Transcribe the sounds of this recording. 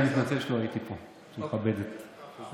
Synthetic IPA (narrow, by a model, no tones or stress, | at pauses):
nit̪nat͡selʃeloait̪ipo | ʃemxabed̪et̪